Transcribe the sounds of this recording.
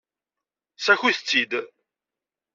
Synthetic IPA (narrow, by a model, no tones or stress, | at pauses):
sæçiθət͡sːid̪